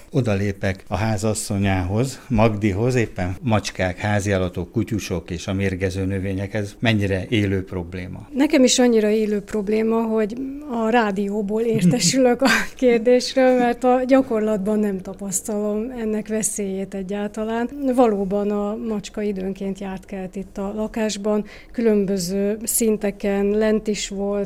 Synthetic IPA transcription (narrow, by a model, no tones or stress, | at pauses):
o̞d̪ɒleːpɛkɒɦaːzɒsːo̞ɲaːɦo̞zmɒɡd̪iɦo̞zeːpːɛnmɒt͡ʃkaːkhaːzialɒt̪o̞kːucuʃo̞keːʃɒmeːrɡɛzøːnøveːɲɛkhɛzmɛɲːiɾɛʔeːløːpro̞bleːmɒ̰nɛkɛmiʃɒɲːiɾɒeːløːpro̞bleːmɒɦo̞ɟɒraːd̪ijoːboːleːrt̪ɛʃyløkɒkeːrd̪eːʃrøːlmɛrt̪ɒɟɒko̞rlɒd̪bɒnːɛmt̪ɒpɒst̪ɒlo̞mɛnːɛkʋɛseːjeːt̪ɛɟːaːlt̪ɒlaːnvɒloːbɒnɒmɒt͡ʃkɒid̪øːŋkeːnt̪jaːrt̪kɛlt̪it̪ːɒlɒkaːʒbɒn | kylø̞mbøzøːsint̪ɛkɛnlɛnt̪iʃʋo̞lt̪